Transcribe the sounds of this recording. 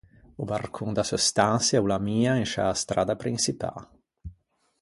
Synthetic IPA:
ubarkʰuŋd̪asust̪ansjaulamiːainʃa̰st̪ɾaːd̪apɾinsipa̰

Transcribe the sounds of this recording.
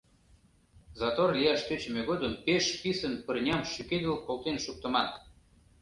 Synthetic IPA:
zɑt̪orlʲijɑʃt̪øt͡ɕə̆mʲeɣod̪əmpeʃpisənpərnʲɑmʃyked̪ə̆lkolt̪enʃuk̚t̪ə̆mɑt̪

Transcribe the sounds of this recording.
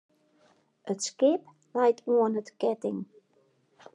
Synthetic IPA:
ətskɪp | lɛjtʰuənətkɛtɪ̰ŋ

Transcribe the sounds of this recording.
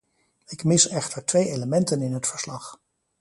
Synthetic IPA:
ɪkmɪsɛχtəɹtʋejejləmɛntənɪnɦətfəɹslɑχ

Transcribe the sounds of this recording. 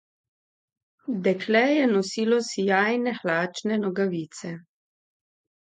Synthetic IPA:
d̪ɛkʰlɛjɛnɔsiːlɔsijaːjnɛxlaːt͡ʃnɛnɔɡaʋiːt̪sɛ

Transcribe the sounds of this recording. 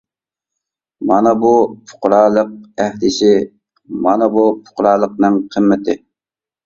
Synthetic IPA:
mɑnɑbupʰʊ̥qʊɾɑːlˠəq̚æhd̪ɪʃɪ | mɑ̰nɑbupʰʊ̥qɾɑːlˠəqnɨŋqʰəmːɪt̪ʰɪ

